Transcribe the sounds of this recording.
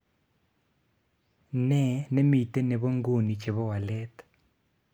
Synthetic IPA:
nɛ˦˨ne˦mi˨te˦ne˨βo˦ŋɡo˦˨ni˨t͡ʃe˨βɔ˦wa˨lɛ˦t̪

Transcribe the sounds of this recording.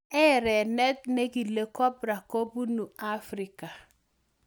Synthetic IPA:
ɛ˦ɾɛ˨nɛ˦t̚ne˦ɡi˨le˨˦kɔ˦bɾa˨ko˦bu˦nu˨a˦fɾɪ˨ka˨

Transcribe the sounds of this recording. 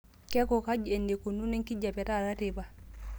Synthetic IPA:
kɛ˦kɔ˨ka˦d͡ʒɛ˨nde˨ko˨nu˦nɛ˦ŋki˦d͡ʒa˨pɛ˨ta˦˨ða˦te˨ba˨

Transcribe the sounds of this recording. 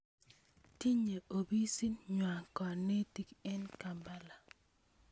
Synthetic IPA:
ti˦ɲe˨ʔo˨bi˦si˦nɲwa˨kɔ˨ne˦ti˦kɛ˦nka˨mba˦la˨

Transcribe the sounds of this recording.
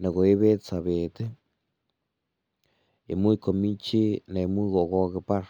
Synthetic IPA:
na˨ɣo˨e˦βe˦t͡sa˨βe˨t̪e˦ | ḛ˨mu˦i˦˧ko˨mi˦t͡ʃi˦na˨i˨mu˦i˦ɣo˨ɣo˦ɣe˧pa˦ɾ

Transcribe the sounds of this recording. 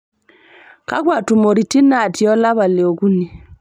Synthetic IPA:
ka̰˦kwa˨tu˨mo˨ɾi˨ti˦na˨tjɔ˦la˦βa˨lɪ˨o˨ɡu˦ni˨

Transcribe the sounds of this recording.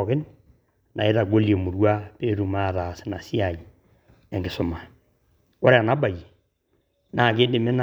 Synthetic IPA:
kɪ˦n | na̰˨e˦ɾa˨ɡo˦lje˨mu˨ɾwa˦pe˦ɾu˨ma˦˨ða˨sɪ̥˦na˨si˦a˨i˨ | ɛ˨ŋɡɪ˨sʊ˨ma˨ | ko˦ɾe˦a˨na˦ba˨ji˨ | na˨ke˦dɪ˨me˦na

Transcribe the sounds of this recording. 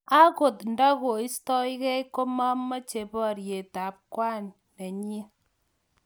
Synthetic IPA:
a˦ko˨tn˨da˦ko˨i˦stɔ˦jke˦ko˦ma˦mːɔ˦t͡ʃe˨bɔ˦˨ɾje˨ta˨p̚kwa˦nː | e˨ɲ˦e˦

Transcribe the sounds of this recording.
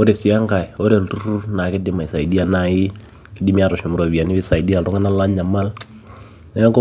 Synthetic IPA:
o˦ɾe˨si˨a˦ŋka˨jo˦ɾe˨ltu˦ɾu˦na˨kɪ˦dɪ˦ma˨sa˨jdi˦a˨na˨ɪ˦ | kɪ˦di˦mi˦a˦˨ɾɔ˨ʃʊ˨mu˨ɾo˨wi˨a˨nɪ˦βɪ˦sa˨jdi˦a˨ltɔ˦ŋɡa˦na˦la˦ɲa˨ma˦l | nɛ˦a˦ŋko˦

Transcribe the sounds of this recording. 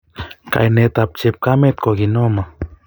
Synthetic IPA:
ka̰jne˧t̪ap̚t͡ʃep̚kame˦t̪̚ko˨ɡino˦ma˨

